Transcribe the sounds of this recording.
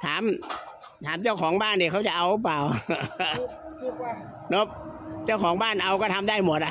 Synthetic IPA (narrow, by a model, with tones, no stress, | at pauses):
t̪ʰaː˩˦m | t̪ʰaː˩˦mt͡ɕa˥˩wkʰɔː˩˦ŋbaː˥˩ndiː˧˩kʰa˦˥˩wt͡ɕa˨˩ʔa˧wɾɯ˦˥˩p̬laː˨˩w | no˦˥p̚t͡ɕa˥˩wkʰɔː˩˦ŋbaː˥˩nʔa˧wkɔː˥˩t̪ʰa˧mdaː˥˩jmo˨˩t̪̚ʔa˧